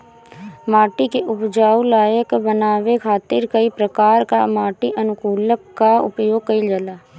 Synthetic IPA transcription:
maːʈikeʔʊpd͡ʒaːulaːjəkbənaːʋekʰaːt̪ɪɾkəipɾəkaːɾka̰maːʈiʔɐnʊkuːləkːaʊ̰pjoːɡ̚kəid͡ʒəlaː

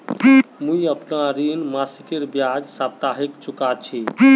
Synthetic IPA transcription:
mũiəpnaɾinmasikeɾbjad͡ʒsabt̪aɦikt͡ʃukat͡ʃʰi

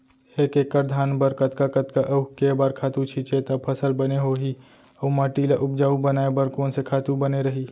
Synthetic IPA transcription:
eːkekːəɾd̪ʱaːnbəɾkət̪kakət̪kaʔəkeːbaːɾkʰaːt̪ũt͡ʃʰiːt͡ʃet̪əpʰəsəlbəneɦoɦi | əumaːʈilaʔʊpd͡ʒaːubənaːebəɾkoːnsekʰaːt̪ũbəneɾəɦi

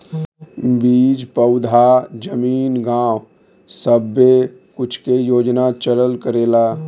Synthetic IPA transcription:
biːd͡ʒpəʊd̪ʱad͡ʒəmiːnɡãːw | səbːe | kʊt͡ʃʰkejoːd͡ʒnat͡ʃələlkəɾeːla

